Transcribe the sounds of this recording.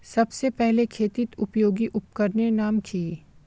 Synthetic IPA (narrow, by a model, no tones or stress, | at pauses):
sɐbsepɛɦlekʰeːt̪it̪ʊpjoːɡiʔʊp̚kəɾnenaːmkʰiː